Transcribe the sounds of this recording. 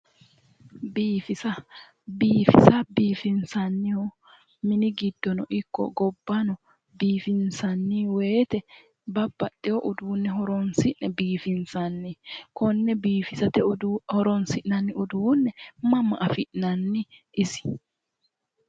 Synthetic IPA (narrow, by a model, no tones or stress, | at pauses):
biːfɪsɐ | biːfɪsɐbiːfɪnsɐnːɪhɔ | mɪnɪɡɪd̪ːɔnɔʔɪkːɔ̰ɡɔbːɐnɔ | biːfɪnsɐnːiweːt̪ɛ | bɐbːɐtʼːɪjɔʔʊd̪uːnːɛɦɔɾɔnsɪʔnɛbiːfɪnsɐnːɪkɔnːɛbiːfɪsɐt̪ɛhɔɾɔnsɪʔnɐnːɪʊd̪uːnːɛmɐmːɐʔɐfɪʔnɐnːɪ | ɪsɪ̥